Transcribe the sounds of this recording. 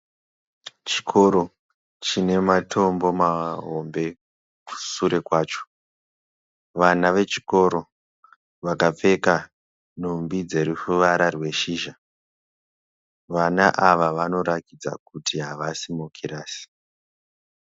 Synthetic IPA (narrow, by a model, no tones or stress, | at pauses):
t͡ʃi̥kʰo̞ɾo̞ | t͡ʃine̞matʰo̞mbo̞maɦombe̞ | ku̥suɾe̞kwaːt͡ʃo̥ | ʋanaʋe̞t͡ʃi̥ko̞ɾo̞ | ʋakap͡fe̞ka | numbid͡ze̞ɾufuʋaɾarwe̞ʃiːʒa | ʋanaʔaʋaʋano̞ɾakid͡za̰kutʰiɦaʋasimokʰiɾaːsi̥